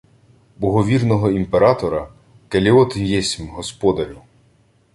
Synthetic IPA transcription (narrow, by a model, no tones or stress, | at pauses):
bɔɦɔʋʲirnɔɦɔimpeɾɑt̪ɔɾɐ | kelʲiɔt̪jɛsʲmɦɔspɔd̪ɐɾʲu